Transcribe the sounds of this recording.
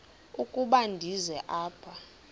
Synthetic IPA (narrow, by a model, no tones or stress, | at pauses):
ukʼuɓandʱizɛʔaːpʰa